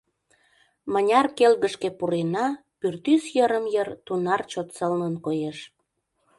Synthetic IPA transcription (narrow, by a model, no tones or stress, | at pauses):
mənʲɑrkelɣəʃkepuɾenɑ | pyrt̪ysjəɾəmjərt̪unɑrt͡ɕot̪səlnənkojeʃ